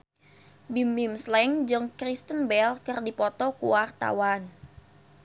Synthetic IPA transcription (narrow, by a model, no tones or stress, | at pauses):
bimimslɛŋd͡ʒɨŋkɾist̪ənbɛlkərdipɔt̪ɔkuwart̪a̰wan